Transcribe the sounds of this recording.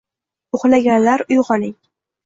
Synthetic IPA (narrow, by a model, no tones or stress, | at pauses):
ʊχlaɡʲanlaɾʊjʁɒnɪŋ